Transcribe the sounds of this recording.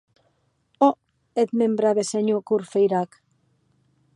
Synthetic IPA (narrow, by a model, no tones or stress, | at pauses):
o | et̪membɾaβeseɲukuɾfejɾak